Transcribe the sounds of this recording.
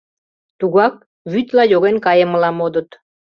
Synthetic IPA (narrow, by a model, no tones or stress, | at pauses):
t̪uɣɑk̚ | βyt̪lɑjoɣenkɑjəməlɑmod̪ə̆t̪